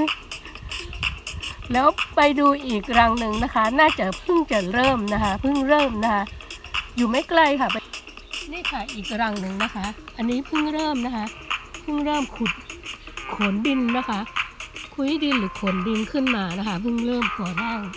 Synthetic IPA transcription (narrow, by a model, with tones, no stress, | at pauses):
lɛː˦˥wpa˧jduː˧ʔiː˨˩k̚ɾa˧ŋnɯ˧ŋna˦˥kʰa˦˥naː˥˩t͡ɕa˨˩pʰɯ˥˩ŋt͡ɕa˨˩ɾɤː˥˩mna˦˥kʰa˦˥pʰɯ˥˩ŋɾɤː˥˩mna˦˥kʰa˦˥juː˨˩ma˥˩jkla˥˩jkʰa˧˥˩pa˧niː˥˩kʰa˧˥˩ʔiː˨˩k̚ɾa˧ŋnɯ˨˩ŋna˦˥kʰa˦˥ʔa˧nːiː˦˥pʰɯ˥˩ŋɾɤː˥˩mna˦˥kʰa˦˥pʰɯ˥˩ŋɾɤː˥˩mkʰu˨˩t̪̚kʰo˨˩˦ndi˧nːa˦˥kʰa˦˥ʔkʰu˧˦di˧nlɯː˩˦kʰo˩˦ndi˧nkʰɯ˥˩nmaː˧na˦˥kʰa˦˥˩pʰɯ˥˩ŋɾɤː˥˩mkʰuː˨˩˦baː˥˩ŋ